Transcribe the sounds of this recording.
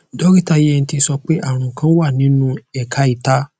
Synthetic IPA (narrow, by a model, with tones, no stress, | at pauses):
dɔ˦ɾi˦˨ta˧je˦ɛ˧n̩˧ti˧sɔ˧k͡pe˦ʔa˦˨ɾ̃ũ˨kã˦wa˦˨nĩ˨˦nũ˦ɛ˦˨ka˧˦i˨ta˦